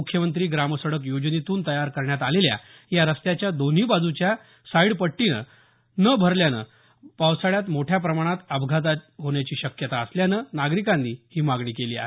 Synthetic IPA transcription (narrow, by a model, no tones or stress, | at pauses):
ukʰjəmənt̪ɾiːɡɾaməsəɽək̬jod͡ʑnit̪uːnt̪əjaɾkəɾɳjat̪alelja̰ | jaɾəst̪jat͡ɕjad̪on̤ɦiːbad͡zut͡ɕja | saiɽpəʈːinə̰ | nəbʱəɾljanə̰ | pawsaɭjat̪moʈʰjap̬ɾəmaɽ̃at̪əbɡʱat̪̬aɦoɳjat͡ɕiːɕəkjət̪aəsljanənaɡɾikanːiːhiːmaɡɳiːkeliːa̰ɦe